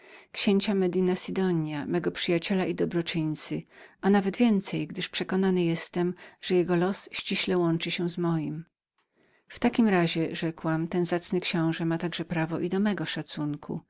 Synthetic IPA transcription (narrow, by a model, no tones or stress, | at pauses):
kɕeɲt͡ɕamɛd̪inasid̪ɔɲjamɛɡɔpʂɘjat͡ɕɛlaʔid̪ɔbɾɔt͡ʂɘɲt̪sɘʔanavɛd̪vʲjɛnt̪sɛjɡd̪ɘʂpʂɛkɔnanɘjɛst̪ɛmʐ̥ɛjɛɡɔlɔsɕt͡ɕiɕlɛwɔnt͡ʂɘɕɛzmɔjim | ft̪akʲimɾaʑɛʐɛkwamt̪ɛnzat̪snɘkɕɔ̃w̃ʐɛmat̪aɡʐɛpɾavɔʔid̪ɔmɛɡɔʂat̪suŋkʰṵ